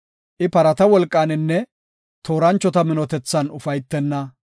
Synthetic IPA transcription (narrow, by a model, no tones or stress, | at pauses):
ʔɪpɐɾɐt̪ɐwɔlkʼːaːnɪnːɛ | t̪o̞ːɾɐnt͡ʃːɔt̪ɐmɪnɔt̪ɛt͡sːɐnʊfɐjt̪ːɛnːɐ